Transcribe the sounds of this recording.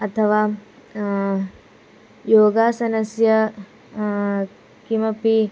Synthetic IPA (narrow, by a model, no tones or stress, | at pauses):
ɐt̪ʰɐʋaː | joːɡaːsɐnɐsjɐ | kimɐpi